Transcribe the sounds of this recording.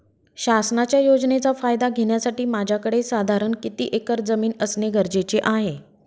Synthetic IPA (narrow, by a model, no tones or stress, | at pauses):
ɕasnat͡ɕjajod͡znet͡safajd̪aɡʱeɽjasaʈiːmad͡ʑʱjakəɽesad̪ʱaɾəɳkit̪ḭːʔekəɾd͡zəmiːnəsneɡʱəɾd͡ʑet͡ɕeʔaɦe